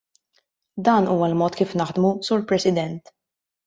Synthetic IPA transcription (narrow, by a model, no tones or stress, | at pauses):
d̪ɐːnuːwɐlmɔːt̪kiːfnɐħd̪musuːɾpɾɛsɪd̪ɛnt̪